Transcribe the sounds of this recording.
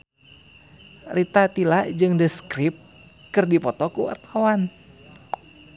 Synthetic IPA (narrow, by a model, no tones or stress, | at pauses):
rʔit̪at̪ilaʔd͡ʒɨŋdəskɾip̚ | kɨrdipɔt̪ɔkuwa̰rt̪awan